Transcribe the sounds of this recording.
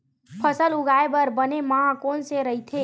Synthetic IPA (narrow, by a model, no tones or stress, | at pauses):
pʰəsəlʊɡaːebəɾbənemãkonseɾəɦit̪ʰe